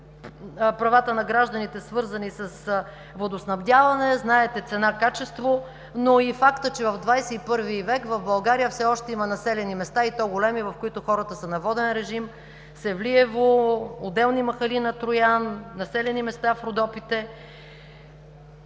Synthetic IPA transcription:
pɾɐvat̪ənɐɡɾaʒd̪ɐnit̪ɛsvɤɾzɐnisɐs | vod̪osnɐvd̪ʲjavɐnɛznaɛt̪ɛt̪sɛnakat͡ʃɛst̪vo | noifakt̪ət͡ʃɛvəvd̪vajsɛipɤɾvivɛkvɐvbɐlˠɡaɾijəfsɛɔʃt̪ɛimɐnɐsɛlɛnimɛst̪ait̪ɔɡolɛmivɐfkoʊit̪ʊxɔɾət̪əsɐnɐvɔd̪ɛnɾɛʒim | sɛvliɛvood̪ɛlˠnimɐxɐlinɐt̪ɾʊjanːɐsɛlɛnimɛst̪afɾʊd̪ɔpit̪ɛ

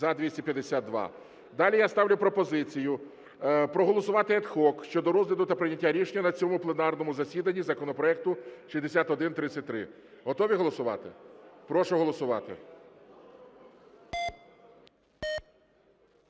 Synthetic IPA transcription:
ɐd̪ʲʋʲisʲtʲɐpʲjɐd̪esʲad̪̚d̪ʋɑ̰ | d̪ɑlʲijast̪ɑʋlʲʊpɾɔpɔzɪt͡sʲijʊ | pɾɔɦɔlˠɔsʊʋɑt̪ɪɛt̪xɔkʃt͡ʃɔd̪ɔɾɔzlʲid̪ʊt̪ɐpɾɪnʲɐtʲːaɾʲiʃenʲɐnɐt͡sʲɔmʊplˠenɑrnɔmʊzɐsʲid̪ɐnʲːizɐkɔnɔpɾɔɛk̚t̪ʊʃizd̪esʲat̪ɔd̪ɪnt̪ɾɪsʲɐt̚ʲt̪ɾɪ̰ | ɦɔt̪ɔʋʲiɦɔlˠɔsʊʋɑ̰t̪ɪpɾɔʃʊɦɔlˠɔsʊʋɑ̰t̪ɪ̰

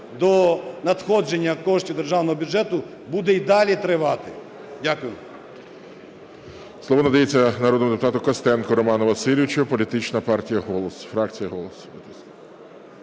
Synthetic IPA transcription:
d̪ɔnɐt̪xɔd͡ʒenʲːɐkɔʃtʲid̪erʒɑwnɔɦɔbʲʊd͡ʒɛt̪ʊ | bud̪ɛid̪ɑlʲit̪ɾɪʋɑt̪ɪ | dʲakʊjʊ | slˠɔʋɔnɐd̪ɐjet͡sʲːɐnɐɾɔd̪nɔmd̪epʊt̪ɑt̪ʊkɐst̪ɛnkɔɾɔmɑnɔʋɐsɪlʲʋɪt͡ʃʊpɔlʲit̪ɪt͡ʃnɐpɑrtʲijɐɦɔlˠɔsfɾɑkt͡sʲijɐɦɔlˠɔsbɪt̪ɪst̪

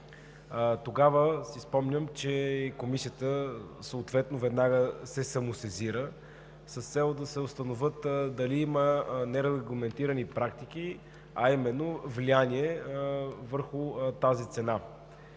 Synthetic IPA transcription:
t̪oɡavəsispɔmnʲəmt͡ʃɛkomisiət̪əsəːt̪vɛt̪novɛd̪naɡəsɛsɐmʊsɛziɾə | səst̪sɛlˠd̪ɐsɛost̪ɐnovət̪d̪ɐliimənɛɾɛɡlˠɐmɛnt̪iɾənipɾakt̪ik̟i | ɐimɛnːovlianiɛ | vəɾxʊt̪azit̪sɛna

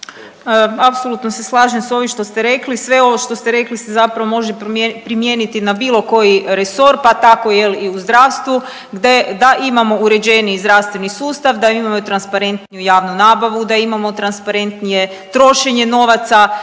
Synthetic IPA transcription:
apsolˠut̪noseslˠaːʒemso̞ʋiʃt̪o̞st̪eɾe̞klisʋe̞oʋoʃt̪o̞st̪eɾe̞klisezapɾaʋomo̞ʒepɾimjenit̪inabiːlo̞ko̞jiɾeso̞ɾpat̪ako̞jeliuzd̪ɾaːwst̪ʋu | ɡd̪ed̪aʔimamo̞uɾe̞d͡ʑenizd̪ɾaʋst̪ʋe̞nisuːst̪aʋd̪aimamot̪ɾanspaɾe̞nt̪nijujaːʋnunaːbaʋud̪aimamo̞t̪ɾanspaɾe̞nt̪nije̞ | t̪ɾo̞ʃe̞ɲe̞no̞ʋat̪sa

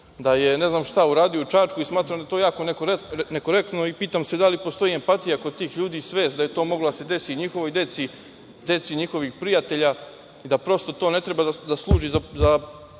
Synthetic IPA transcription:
d̪aje̞ne̞znaːmʃt̪auɾaːd̪ijout͡ʃaːt͡ʃkuismaːt̪ɾamd̪aet̪ojaːko̞neknekoɾek̚t̪no̞ipiːt̪amse̞d̪alipo̞st̪o̞ie̞mpat̪ijakot̪ːiːxʎuːd̪iːsʋe̞ːsd̪aje̞t̪o̞ːmo̞ɡlod̪ase̞d̪e̞siɲixo̞ʋo̞jd̪e̞t̪si | d̪e̞t̪siɲixo̞ʋixpɾijat̪e̞ʎa | id̪apɾo̞st̪ot̪o̞ːne̞t̪ɾe̞baad̪aslˠuːʒizaza

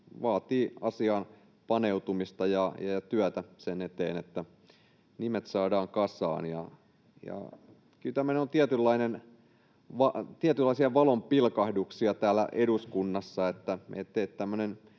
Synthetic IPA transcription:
ʋɑːt̪iːɑsiɑːn | pɑneut̪umist̪ɑjɑjɑjɑt̪yæt̪æsenet̪eːnet̪ːæ | nimet̪sɑːdɑːŋkɑsɑ̰ːnjɑ̰ | jɑ̰ | kylt̪æmːøneont̪iæt̪ylːɑinen | ʋɑt̪iæt̪ylːɑisiɑʋɑlompilkɑhduksiɑt̪æːlːˑæ̰ʔeduskunːɑsːɑet̪ːæmḛt̪ːeit̪t̪æmːønen

